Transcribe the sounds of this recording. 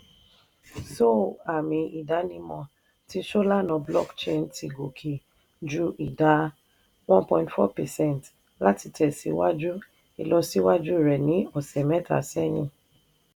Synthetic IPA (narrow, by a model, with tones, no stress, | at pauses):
so˦˨a˨mĩ˨i˨da˨˦nĩ˦mɔ̃˧ | ti˧ʃo˦la˦nɔ̃˨blɔ̰˦kt͡ʃẽ˦nti˨ɡo˨kʰe˨ | d͡ʒu˦i˨da˨˦ | wɔ̃˦npɔ̃˧ĩntfɔ˦pɛ˨sɛ̃˦˨nt | la˦ti˨tʰɛ˨sḭ˨wa˦d͡ʒu˦ | i˨lɔ˧si˦wa˦d͡ʒu˦˨ɾɛ˨nĩ˨˦ɔ˨sɛ˨mɛ˦tʰa̰˨sɛ˦nĩ˦